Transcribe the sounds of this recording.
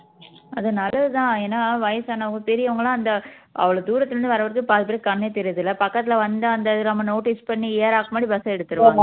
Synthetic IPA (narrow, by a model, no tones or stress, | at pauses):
ɐðɯnaːlɐt̪ãːeːnːaːʋɐjɐsaːnɐʋɐŋɡɐpɛɾɪjɐʋɐŋɡɐɭãːɐnd̪ɐ | ʔɐ̰ʋɐɭɐd̪uːɾɐt̪ːɪɾɯnd̪ɯʋɐɾɐʋɐɾɯkːɯpaːɾt̪ɯpɐɾɐkɐɳːeːt̪ɛɾɪjɐðɯlɐpɐkːɐt̪ːɪlɐʋɐnd̪ɯɐnd̪ɐðɯnɐmːɐnoːʈɪspɐɳːieːɾaːɣɐmaːdɾibɐsɐɛɽɯt̪ːɯɾɯ̃